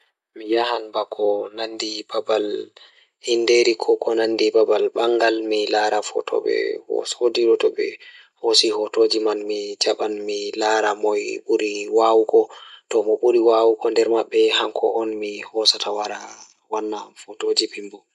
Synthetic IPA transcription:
mijahanbakʰɔnandibabal | hindeɾikʰɔkɔnanːdibabalɓaŋɡalmilaɾafɔ̰tʰɔ̰ɓɛ̰hɔ̰sodiɗɔtɔɓɛ̰ | hosihɔtod͡ʒimanmid͡ʒaɓanmilaɾamɔjɓuɾiwawukɔtɔmɔɓuɾiwawukʰɔndɛɾmaɓːɛhaŋkʰɔʔɔnmihɔsatawaɾa | wanːafotod͡ʒiɓimbu

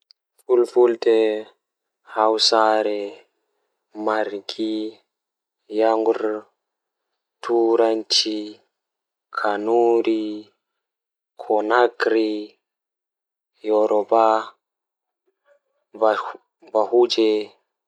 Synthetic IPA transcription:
fulfultɛ | hawsaɾɛ | maɾɡi | jaŋɡuɾ | tʰuɾantʰi | kʰanuɾi | kʰɔnaɡɾi | jɔɾʔɔba | vahud͡ʒɛ

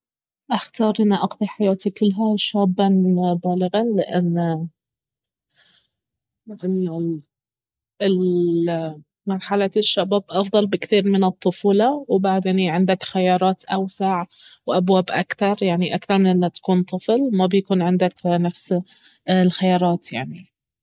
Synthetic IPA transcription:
ʔaxt̪ɑːɾˤʔɪnːiʔɑqðˤiħajaːt̪ikɪlːɦaʃaːbːanbaːlɪɣɑlɪʔanː | lɪʔanːa | ɪl | mɑɾˤħalaʃːabaːbʔɑfðˤɑlbɪkθiːɾmɪnɨt̪ˤːʊfuːlɑwbaʕd̪eːniʕɪnd̪akxajɑːɾˤɑːt̪ʔawsaʕ | wʔabwaːbʔa̰kθɑɾˤjaʕniʔakθɑɾˤmɪnʔɪlːat̪ḁkuːnt̪ˤɨflmabjakuːnʕɪnd̪aknafs | lxajɑːɾˤɑːt̪jaʕni

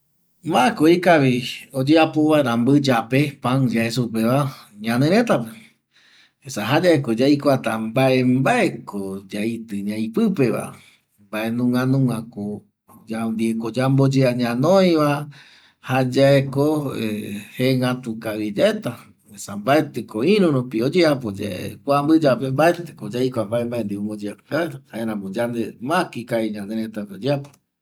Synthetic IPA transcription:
maekoikaβiod͡ʒeapoβaɾãmbɨd͡ʒapepãŋd͡ʒaesupeβaɲãnẽɾ̃ẽ̞t̪ape | esaɦad͡ʒaeko̞d͡ʒajkʷat̪ambaʔembaʔekod͡ʒait̪ɨɲãĩpɨpe̞βa̰ | mbae̞nũŋãnũŋãko | d͡ʒand̪iekod͡ʒambod͡ʒeaɲãnõj̃βa | had͡ʒaekoeheŋɡat̪ukaβid͡ʒaet̪a | esambaet̪ekoĩɾũɾupiod͡ʒeapod͡ʒa̰ḛkʷambɨd͡ʒapembaet̪ekod͡ʒajkʷambaembaend̪iombod͡ʒeapkaeɾahaeɾãmõd͡ʒand̪emãkikaiɲãnd̪eɾet̪apeod͡ʒeapo

